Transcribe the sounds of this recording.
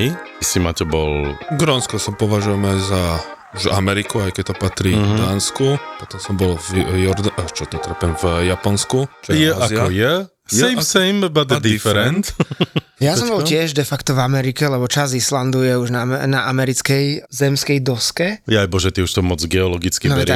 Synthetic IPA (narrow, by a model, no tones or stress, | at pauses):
isimatɛbɔlɡɾɔnskɔsapɔʋaʒujɛmɛza | uʒamɛɾikuajkɛc̚t̪ɔpat̪ɾid̪aːnskupɔt̪ɔmsɔmbɔlvjɔɾd̪at͡ʃɔt̪ɔt̪r̩pɛnvjapɔnskut͡ʃjɛaaziaɔjɛ | sɛjmsɛjmbad̪d̪ifɛɾɛnt̪ | jasɔmbɔlcɪɛʒd̪ɛfakt̪ɔvamɛɾikɛlɛbɔt͡ʃazisland̪ujɛuʒnaɛnaʔamɛɾit͡skɛjzɛmskɛjd̪ɔskɛjajbɔʒɛt̪iuʃt̪ɔmɔd͡zɡɛɔlɔɡit͡skinɔɛɾa